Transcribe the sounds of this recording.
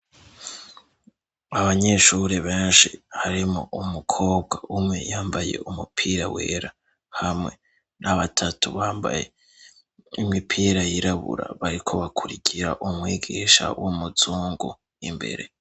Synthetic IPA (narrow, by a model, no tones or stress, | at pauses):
aβaɲe̞ʃuɾeβeːnʃihaɾimo̰ʔumukʰo̞ːbɡaumŋe̞jaːmbaje̞̰umupʰiːɾawḛːɾa | hamŋe̞ | nʔaβatʰatuβaːmba̰je̞ | imipʰiːɾajiɾaβṵɾa̰βaɾikʰo̞βakʰuɾikʰiɾaʔumŋiːɡiːʃa̰wʔumuzuːŋɡu | imbe̞̰ɾe̞